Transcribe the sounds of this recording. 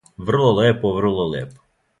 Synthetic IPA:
ʋrlˠɔlˠɛpɔʋrlˠɔlˠɛ̰p

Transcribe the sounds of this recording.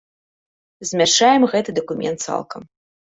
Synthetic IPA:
zʲmʲaʂajɛmɣɛt̪ɨd̪ɐkumʲʔɛ̰nt̪̚sa̰lˠkɐm

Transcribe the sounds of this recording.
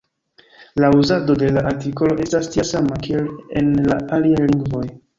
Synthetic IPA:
lauzado̞de̞laʔaɾtiko̞lo̞ʔe̞stastiasamakiele̞̰nlaaliajliŋɡvo̞j

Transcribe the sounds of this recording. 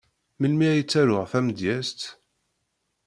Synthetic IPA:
məlmiæjət͡sːæɾʊʁfæmd̪jæst̪

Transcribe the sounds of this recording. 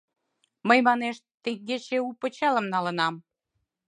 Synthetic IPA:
məjmɑneʃt̪eŋɡet͡ɕeupət͡ɕɑlə̆mnɑlə̆nɑm

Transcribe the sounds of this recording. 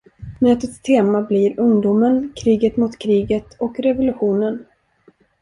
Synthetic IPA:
nɛːt̪ət̪st̪ʰeːmablɪɾɵŋd̪uːmənkʰɾiːɡət̪mʊt̪kʰɾiːɡət̪ɔkɾɛvʊlɵɧuːnən

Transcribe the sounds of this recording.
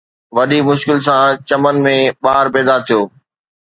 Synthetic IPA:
ʋɐɗimʊʃkɪlsãt͡ɕɐmənɪ̆mẽɓaːɦɾpɛːd̪at̪ʰijoː

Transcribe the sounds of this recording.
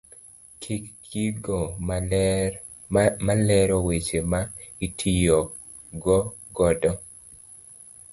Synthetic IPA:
kʰik | iɡɔ | malɛɾɔwet͡ʃema | itʰijɔ | ɡɔ | ɡɔdɔ

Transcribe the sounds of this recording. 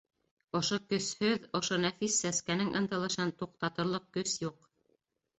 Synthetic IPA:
ŏʃokɵ̆shɵðŏʃonæfisːæskænɘŋʔɤ̆nt̪ɤ̆lˠɤ̆ʃɤnt̪uq̚t̪ɑt̪ɤ̆ɾlˠɤq̚kɵsjuq

